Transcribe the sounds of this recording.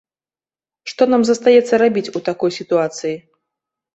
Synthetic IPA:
ʂt̪ɔnamzɐst̪ajɛt̪sːɐɾabʲit͡sʲut̪akɔjsʲit̪uat̪sɨji

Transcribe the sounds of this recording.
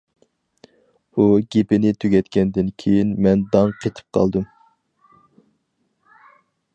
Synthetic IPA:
uɡʲepɪnɪt̪ʰøɡʲɛt̪kʲɛnd̪ɪnkʲʰejinmɛnd̪ɑŋqʰet̪ʰɨ̥p̚qʰɑ̰lˠd̪ɨm

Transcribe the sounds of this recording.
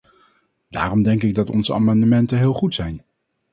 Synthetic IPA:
d̥a̰ːrɔmdɛŋkɪɡ̚dɑtɔ̰nzəʔa̰ːmɑndəmɛntənɦɪːlˠχutsɛjn

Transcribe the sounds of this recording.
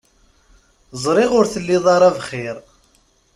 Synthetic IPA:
zˤɾˤɪʁʊɾθəlːiðˤɑɾˤævχɪɾ

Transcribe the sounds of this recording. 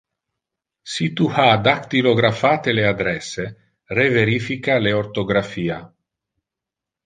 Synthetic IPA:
sit̪uhad̪akt̪iloɡɾafaːt̪elead̪ɾɛse | reveɾifikaleoɾt̪oɡɾafiːa

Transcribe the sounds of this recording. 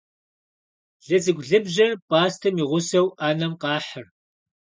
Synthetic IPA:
ɮɐzɨɡʷɮɨbʑɐrpʼaːstʰɐmiːʁʷʊsɐwʔaːnɐmqɑːħər

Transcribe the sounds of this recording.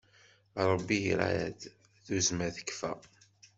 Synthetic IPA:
ɾˤəbːiɾæ̰jæd̪ | θuzmæθə̥kːfæ̰

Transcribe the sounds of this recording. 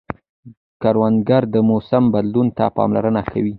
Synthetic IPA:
kaɾwand̪ɡaɾd̪əmosambad̪lunt̪apɑ̰mla̰ɾənakʰawi

